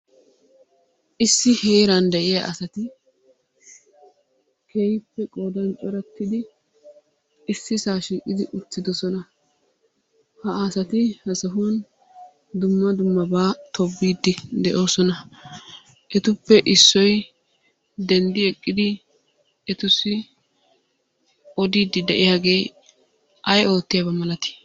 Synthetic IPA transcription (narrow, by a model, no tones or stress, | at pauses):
ʔɪsːɪhe̞ːɾɐnd̪ɛʔɪjɐ̰ʔɐsɐt̪ɪ | kejɪpːɛkʼoːd̪ɐnt͡ʃʼɔɾɛt̪ːɪd̪ɪ | ɪsːɪsaːʃiːkʼːɪd̪ɪʔʊt̪ːɪd̪ɔsɔnɐ | hɐaːsɐt̪ɪhɐsɐɦun | d̪ʊmːɐd̪ʊmːɐbaːt̪ʰɔbːiːd̪ːɪd̪ɛʔo̞ːsɔnɐ | ʔɛt̪ʊpːɛʔɪsːɔj | d̪ɛnd̪ɪɛkʼːɪd̪ɪ | ɛt̪ʊsɪ | ɔd̪iːd̪ːɪd̪ɛʔɪjaːɡe̞ː | ɐjo̞ːt̪ːɪjabɐmɐlɐt̪ɪ̥